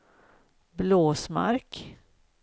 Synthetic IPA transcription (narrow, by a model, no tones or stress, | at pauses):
bloːsma̰ɾk